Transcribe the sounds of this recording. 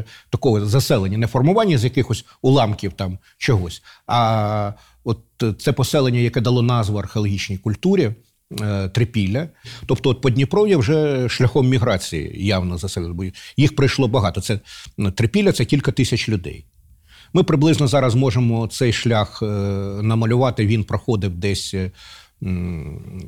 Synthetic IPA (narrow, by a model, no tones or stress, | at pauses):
t̪ɐkɔɦɔzɐsɛlˠenʲːɐnɛfɔrmʊʋɑnʲːɐzʲjɐkɪxɔsʲ | ʊlˠɑmkʲiwt̪ɑm | t͡ʃɔɦɔsʲɐ | ɔt̪̚sɛpɔsɛlˠenʲːɐjɐkɛd̪ɐlˠɔnɑzʋɔɐrxeɔlˠɔɦʲit͡ʃnʲijkʊlʲt̪uɾʲi | t̪ɾɪpʲilʲːɐt̪ɔpt̪ɔɔt̪̚pɔdʲnʲipɾɔwjɐwʒɛʃlʲɐxɔmːʲiɦɾɑt͡sʲijḭjawnɔzɐsɛbʲɛbɔjjixpɾɪjʃlˠɔbɐɦɑt̪ɔt̪sɛt̪ɾɪpʲilʲːɐt̪sɛkʲilʲkɐt̪ɪsʲɐt͡ʃlʲʊd̪ɛ̰j | mɪpɾɪblˠɪznɔzɑɾɐzmɔʒemɔt̪sɛjʃlʲaxnɐmɐlʲʊʋɑt̪ɪʋʲinpɾɔxɔd̪ɪwd̪ɛsʲ